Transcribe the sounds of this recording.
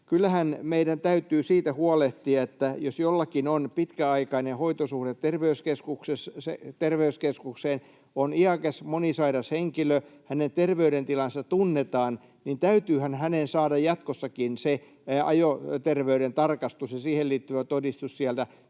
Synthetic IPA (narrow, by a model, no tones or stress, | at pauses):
kylːæhænmeidænt̪æyt̪yːsiːt̪æhuɑleht̪iɑet̪ːæjosjolːɑkinonpit̪kæɑikɑinehoit̪osuhdet̪terʋeyskeskuksesset̪erʋeyskeskukseːn | oniɑkesmonisɑiɾɑsheŋkiløhænent̪erʋeyɾent̪ilɑnsɑt̪unːet̪ɑːn | nint̪æyt̪yːhænhænensɑːdɑjjɑt̪kosːɑkinse | ɑ̰jot̪erʋeyɾent̪ɑrkɑst̪usjɑsiːhelliːt̪ːyʋæt̪odist̪ussiælt̪æ